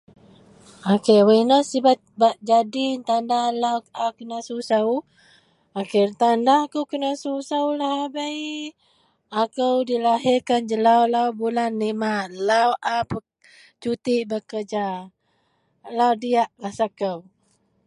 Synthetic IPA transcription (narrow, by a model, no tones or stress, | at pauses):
akewəinəsibat̪̚baʔ̚d͡ʒadint̪andalawakənasusaw | akirt̪andakəwkənasusaulahabaj | akəwdilaɦɪrkand͡ʒəlawlawbulanːimalawʔapə | t͡ʃut̪iʔbəkəd͡ʒa | lawdiaʔlahsakəw